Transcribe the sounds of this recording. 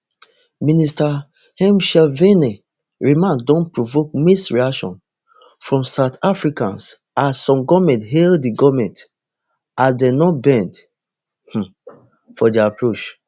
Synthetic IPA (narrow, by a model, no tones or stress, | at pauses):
minista | hɛ̃mʃɛvene | ɹimãndõnpɹovok̚misɹiakʃɔ̰̃n | fɹɔ̃msaʊtafɹikã̰ns | asɔ̃mɡɔmɛ̃ntɦeldiɡɔvmɛ̃nt | adenɔtbɛ̃nd | h̩ | fɔdiapɹot͡ʃ